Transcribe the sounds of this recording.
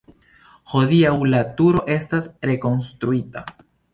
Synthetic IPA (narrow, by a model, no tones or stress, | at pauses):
ho̞diawlatuɾo̞ʔe̞stasɾe̞ko̞nstɾuita